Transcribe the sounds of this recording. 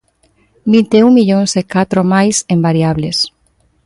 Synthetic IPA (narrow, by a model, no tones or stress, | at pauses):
bint̪euŋmiʎõŋsekat̪ɾomajsẽmbaɾiaβles